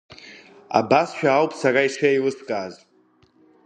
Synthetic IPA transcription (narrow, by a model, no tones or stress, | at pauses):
a̰basʃᶣaːwpʼsaraiʂajlɨskʼaːz